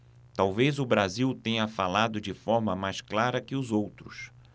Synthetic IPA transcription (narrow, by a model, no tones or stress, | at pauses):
t̪awvezʊbɾaziwt̪ẽɲɐfalad̪ʊd͡ʒɪfɔɾmɐmajsklaɾɐkɪʊzowt̪ɾʊs